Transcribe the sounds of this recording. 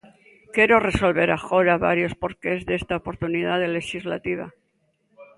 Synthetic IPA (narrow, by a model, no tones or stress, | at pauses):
ke̞ɾo̞re̞so̞lβe̞ɾaxo̞ɾaβa̰ɾjo̞spo̞ɾkezðest̪aopo̞ɾt̪uniðaðele̞xizla̰t̪iβ̞a̰